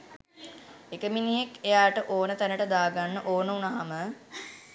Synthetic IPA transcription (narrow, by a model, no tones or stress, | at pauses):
ekəminijekejaːʈəʔoːnət̪ænəʈəd̪aːɡanːəʔoːnəunaɦamə